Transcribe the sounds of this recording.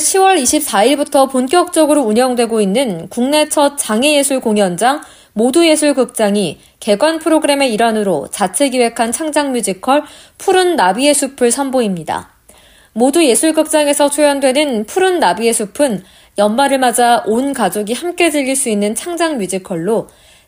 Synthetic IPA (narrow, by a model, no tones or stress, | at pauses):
ɕʰiwʌɾiɕʰip̚s͈aiɭbutʰʌponk͈jʌk̚t͡ɕ͈ʌɡɯɾouɲʌŋdwe̞ɡoinːɯnkuŋne̞t͡ɕʰʌt͡ɕaŋeje̞sʰuɭkoŋjʌnd͡ʑaŋ | moduje̞sʰuɭɡɯk̚t͡ɕ͈aŋi | ke̞ɡwanpʰɯɾoɡɯɾe̞me̞iɾwanɯɾo̰t͡ɕat͡ɕʰe̞ɡiwe̞kʰant͡ɕʰaŋd͡ʑaŋmjud͡ʑikʰʌɭ | pʰuɾɯnːabie̞sʰupʰɯɭsʰamboimɲida̰ | moduje̞sʰuɭɡɯk̚t͡ɕ͈aŋe̞sʰʌt͡ɕʰujʌndwe̞nɯnpʰuɾɯnːabie̞sʰupʰɯn | jʌnmaɾɯɭmad͡ʑaonkad͡ʑoɡihamk͈e̞dɯʎːiɭs͈uinːɯnt͡ɕʰaŋd͡ʑaŋmjud͡ʑikʰʌɭːo